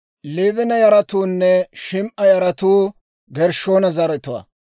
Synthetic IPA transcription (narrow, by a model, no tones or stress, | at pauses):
liːvɪnɐjɐɾɐt̪uːnːɛʃɪmʔɐjɐɾɐt̪uː | ɡɛɾʃoːnɐzɐɾɛt̪ʊwɐ̰